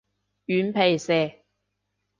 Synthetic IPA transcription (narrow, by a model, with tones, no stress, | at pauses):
jyː˨˧npʰe˨jsɛː˨˩